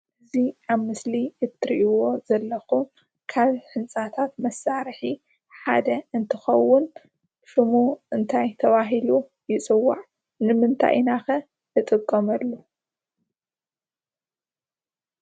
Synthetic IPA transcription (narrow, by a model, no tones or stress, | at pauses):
ʔɨziaβmɨsliɨt̪ʰɨɾʔiwo̞zɐlːɐxu | kʰaβħɨnt͡sʼat̪ʰat̪mɐsaɾħi | ħad̪ɐɨnt̪ʰɨxɐwːʊn | fɨmuʔɨnt̪ʰajt̪ʰɐβaɦilu | jɪt͡sʼɨwːa̰ʕ | nɨmɨnt̪ʰa̰jnaxɐ | ɨt̪ʼɨkʼːɐmɐlːu